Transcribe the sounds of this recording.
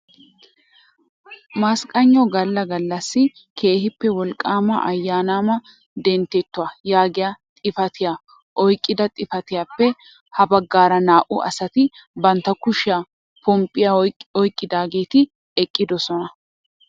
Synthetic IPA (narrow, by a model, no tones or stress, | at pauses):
maskʼɐɲːɔɡɐlːɐɡɐlːɐsːɪ | kʰe̞ːhɪpːɛwɔlkʼːaːmɐ̰ʔɐjːaːnaːmɐ | d̪ɛnt̪ːɛt̪ːʊaːjaːɡɪjaːt̪ʼɪfɐt̪ɪjaː | ʔɔjkʼːɪd̪ɐt̪ʼɪfɐt̪ɪjaːpːɛ | hɐbɐɡːaːɾɐnaːʔʊ̰ʔɐ̰sɐt̪ɪ | bɐnt̪ːɐkʊʃɪjaː | pɔmpʼːɪjaɔjkʼːɪd̪aːɡe̞ːt̪ɪ | ɛkʼːɪd̪ɔsɔnɐ